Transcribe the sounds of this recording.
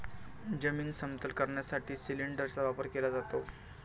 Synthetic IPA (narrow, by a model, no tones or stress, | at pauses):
d͡ʑəmiŋɡsəmt̪əlkəɾɳjasaʈʰiːsiliɳɖəɾt͡saʋapəɾkelad͡zat̪o